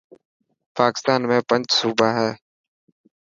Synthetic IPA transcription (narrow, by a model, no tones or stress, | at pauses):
paːkɪ̥st̪aːnmẽːpəɲd͡ʒsuːbaːɦɛː